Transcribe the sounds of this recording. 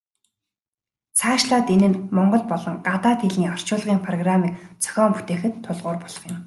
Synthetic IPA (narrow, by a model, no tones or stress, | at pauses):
t͡sʰaːʃɮaːt̪enɘ̆nmɔɴɢɞ̆ɮpɔɮɞ̆ŋɢat̪aːt̪xeɮiːɔr̥t͡ɕʊːɮʁiːŋpʰrɔɣramiːkt͡sʰœ̥xʲɔːmput̪eːxɘ̆t̪ʰːʊɮʁʊːrpɔɮ̥ɞ̥̆χjɪ̆m